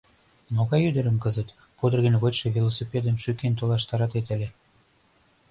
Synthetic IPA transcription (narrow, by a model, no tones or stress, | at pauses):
moɣɑjyd̪ə̆ɾə̆mkəzə̆t̪ | pud̪ə̆rɣə̆nʲβotʲʃevʲilosepʲed̪ənʃykent̪̬olɑʃt̪ɑɾɑt̪et̪ə̆lʲe